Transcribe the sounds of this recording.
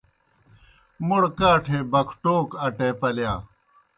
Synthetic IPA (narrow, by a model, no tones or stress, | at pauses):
muɽkaːʈʰeːbɐkʰʈoːkɐʈeːpɐljaː